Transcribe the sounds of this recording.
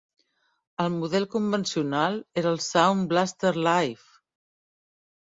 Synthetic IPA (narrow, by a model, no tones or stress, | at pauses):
əlˠmuðɛlˠkumbənsiunalˠeɾəlˠsawnblast̪əɾlajf